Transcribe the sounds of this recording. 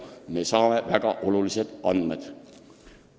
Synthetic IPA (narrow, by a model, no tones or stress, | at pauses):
ne̞sɑːme̞væɡ̥ɑʔo̞lulise̞d̪̥ɑnd̪med̪̥